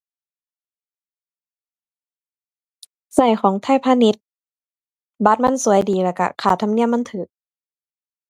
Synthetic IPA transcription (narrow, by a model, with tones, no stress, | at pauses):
sa˧˩jxʰɔː˨˩˦ŋt̪ʰaː˧˥˨jpʰaː˧˥˨ni˧˥t̪̚ | ba˧˥t̪̚ma˧˥˨nsu˨˩˦əjdiː˨˦lɛː˧˩ka̰˧kʰaː˨˩t̪ʰa˧mni˧˥˩əmːa˧˥˨nt̪ʰɯː˨˩˦k̚